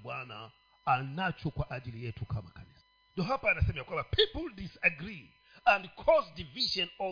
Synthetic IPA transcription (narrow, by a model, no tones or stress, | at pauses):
ɓwana̰ | anat͡ʃɔkwaʔaʄilijɛtukʰama̰kanisa | ndɔɦapaːnasɛmɛjakwãmbapʰipl̩ˠdisaɡɾi | ãndkʰɔzdiviʃɔ̃nɔ